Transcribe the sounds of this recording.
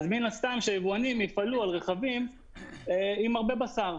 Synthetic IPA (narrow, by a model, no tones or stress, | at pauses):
azminast̪amʃejevuanimjifalualʁeχavim | eimaʁbe̞basaʁ